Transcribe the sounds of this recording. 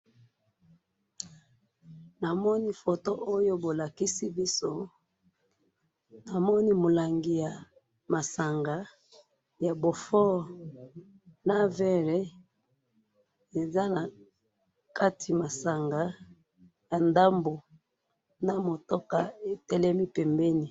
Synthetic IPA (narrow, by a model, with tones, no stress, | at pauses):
na˨mɔ˦ni˦fo˨to˦ʔo˦jo˦bo˨la˨ki˦si˦bi˦so˦ | na˨mɔ˦ni˦mo˨la˨ŋɡi˨ja˨ | ma˨sa˨ŋɡa˨ | ja˨bo˨fɔ˦˨ | na˦vɛ˦ʁe˦ | e˨za˦na˨ | ka˦tʰi˨ma˨sa˨ŋɡa˨ | ja˨nda˦mbo˨ | na˨mo˨to˦ka˨e˨tɛ˦lɛ˦mi˦pɛ˨mbɛ˦ni˨